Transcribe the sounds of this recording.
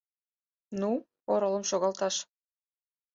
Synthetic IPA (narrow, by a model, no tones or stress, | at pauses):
nu | oɾolə̆mʃoɣɑlt̪ɑʃ